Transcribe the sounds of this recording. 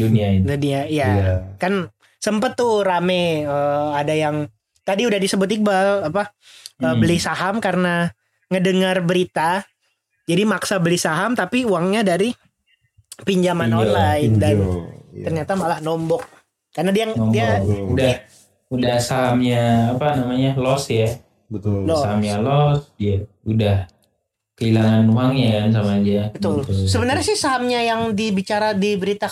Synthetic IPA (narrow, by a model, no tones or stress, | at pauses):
duniad̪udiaijakan | səmpət̪ːʊramɛəːadajaŋ | t̪adiudahdisəbʊt̪ik̚balapaəːbəlɪhsaɦamkaɾəna | ŋədəŋərbəɾit̪a | d͡ʒadimaksabəlɪhsaɦamt̪apiuaŋɲadaɾi | piɲd͡ʒamanonlaɪndanərɲat̪amalahnɔmbɔk̚ | karnadiaŋndiaudah | udahsaɦamɲaːpanamaɲalɔsja | bt̪lɔahamɲalɔsdia | udah | kəilaŋanuaŋɲakans̬amad͡ʒabət̪ʊlsəbənərɲasɪhsaɦamɲajaŋdibit͡ʃaɾadibəɾit̪a